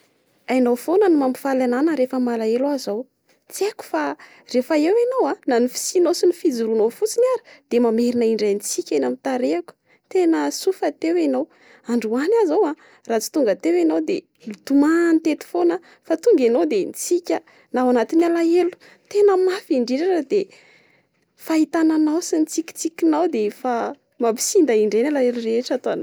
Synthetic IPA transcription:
ajnowfonənimambi̥falananəɾefəmalaeluazow | t͡sieku̥fa | refəewanowananifi̥sinosinifid͡zuɾunowfut͡sinaɾə̥d̪̥emameɾinəiɳɖ͡ʐajnt͡sikʲanamit̪aɾeaku̥ | t̪enəsufət̪ewanow | aɳɖ͡ʐuanazawa | rat͡si̥t̪uŋɡət̪ewinawd̪e | lut̪umanit̪et̪i̥fonə | fat̪uŋɡanowd̪enit͡sikʲə | nawanat̪inalaelu̥ | t̪enəmafiɳɖ͡ʐiɖ͡ʐaʈ͡ʂəd̪e | fait̪ananawsinit͡sikʲi̥t͡sikʲinawd̪efa | mabi̥sind̪aiɳɖ͡ʐenalaeluɾeeʈ͡ʂat̪oana

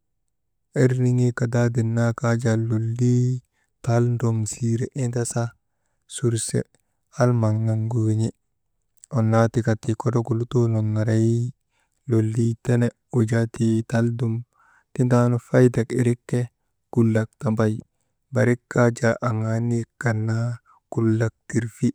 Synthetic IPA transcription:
eɾniŋikadadinːakad͡ʒalolːi | talndomsiɾeʔintasa | suɾsḛ | almaŋːaŋɡoɲi | onːatikatːikodokulutuloŋːaɾaji | lolːitene | ud͡ʒatitaldum | tintanufajdakiɾikːe | kulːak̚tambaj | baɾikːad͡ʒaʔaŋanikanːa | kulːak̚tiɾfi

